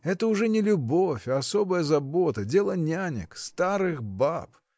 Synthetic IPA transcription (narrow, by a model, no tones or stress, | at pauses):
ɛt̪əʊʐɛnʲɪlʲʊbofʲɐso̞bəjəzɐbo̞t̪ədʲe̞lˠənʲanʲɪ̰kst̪aɾɨxbap